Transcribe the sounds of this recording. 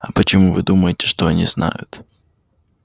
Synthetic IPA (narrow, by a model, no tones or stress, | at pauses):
ɐpət͡ɕɪmuvɨd̪uməjɪtʲɪ̥ʂt̪oɐnʲḭzna̰jʊ̰t̪